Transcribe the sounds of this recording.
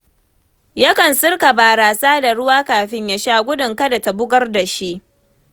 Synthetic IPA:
ja˦kɐ˨nsʊ˦rka˨baː˨ɽaː˨saː˦da˨ɽʊ˦waː˦kaː˨ɸɪ˦ɲja˦ʃaː˦ɡʷʊ˦dʊ˨ŋka˦da˨ta˨bʊ˦ɡɐ˦rda˨ʃi˦ʔ

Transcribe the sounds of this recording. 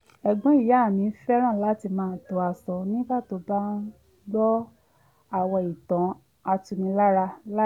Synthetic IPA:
ɛ˨ɡ͡bɔ̃˨˦i˦˨ja˨˦˨mĩ˨˧˦fɛ˦ɾ̃ã˦˨la˨˦ti˧mãː˦˧˦to˧a˧sɔ˧nĩ˦ba˦˨to˧˦ba˦ | lɔ˦ | a˧˨wɔ˧i˨tã˨˦ | a˧tu˧nĩ˧la˦ɾa˧la˦

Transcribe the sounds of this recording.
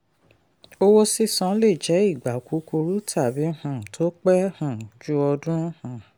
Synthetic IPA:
o˧wo˦si˦sɔ̃˧˦le˦˨d͡ʒɛ˨˦i˦˨ɡ͡ba˨ku˨˦ko˧ɾu˦tʰa˦˨bi˨˦hã˦˨tʰo˦k͡pɛ˦hã˨d͡ʒu˦ɔ˧dũ˦hã˨

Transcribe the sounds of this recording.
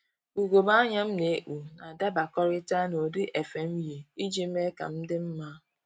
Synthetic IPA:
u˨ɡʷo˨ba˦ɲa˦m̩˦ne˨e˦ʔu˨na˨da˦ba˨kɔ˦ɾɪ˦ta˦no˨dʊ˦ʔe˨fe˨m̩˦ji˨i˦d͡ʒi˦me˦ka̰˨m̩˦dɪ˦m̩˦ma˦

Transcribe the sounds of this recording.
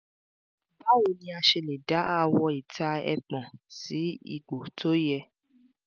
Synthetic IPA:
ba˦wo˨nĩ˧˦a˧ʃe˧le˨da˨˦a˦˨wɔ˧i˨tʰa˧ɛ̰˧k͡pɔ̃˨si˨˦ḭ˦˨ɡ͡bo˨tʰo˨˦jɛ˧

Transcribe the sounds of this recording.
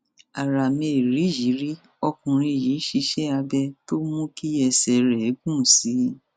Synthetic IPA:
a˨ɾa˨me˨ɾĩ˨˦˨ji˨˦ɾi˦ | ɔ˧kũ˨ɾ̃ĩ˧˨ji˨˦ʃi˨˦ʃɛ˦a˧bɛ˧to˦mũ˦ki˦ɛ˧˨sɛ˨ɾɛ˨˦ɡũ˦˨si˨˦

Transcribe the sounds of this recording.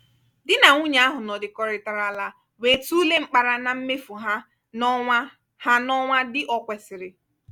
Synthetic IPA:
dɪ˦na˨ŋu˦ɲ˨˦a˦ɦʊ˨nɔ˨dɪ˨kɔ˦ɾɪ˨ta˨ɾa˦la˦ | we˨tu˦le˦ŋ͡m̩˦k͡pa˦ɾa˦na˨m̩˦me˦fu˨ɦa˦ | nʷ˦a˦ | ha˦nɔ˦ŋʷa˦dɪ˦ʔɔ˦kʷɛ˨sɪ˨ɾɪ˨

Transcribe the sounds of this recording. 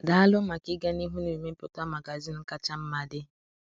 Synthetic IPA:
da˨a˦lʊ˦ma˨kɪ˦ɡa˦ni˦ɦu˦nu˨i˨me˦m̩˦pʊ˦ta˦ma˨ɡa˨zi˦n̩˦ka˦t͡ʃa˦m̩˦ma˦dɪ˦

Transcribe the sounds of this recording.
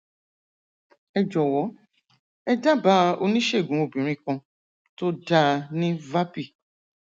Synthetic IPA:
ɛ˧d͡ʒɔ˨wɔ˨˦ | ɛ˦da˦ba˦o˧nĩ˦ʃe˦˨ɡũ˨˦o˨bĩ˨ɾ̃ĩ˦kɔ̃˧ | to˦da˦˧nĩ˦va˦pi˦˨

